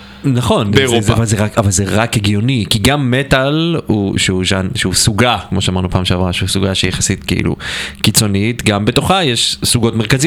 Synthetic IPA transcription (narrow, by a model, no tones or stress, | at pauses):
naχo̞nezavalzeʁakavalzeʁakeɡjo̞nikiɡamːetalhṵʃeuʃanʃeusuɡakmo̞ʃeamaʁnupaːmʃeavʁaʃeusuɡaʃeijaχḁsitkeḭlṵkit͡so̞nitɡambe̞to̞χajeʃsuɡo̞tmeʁkazi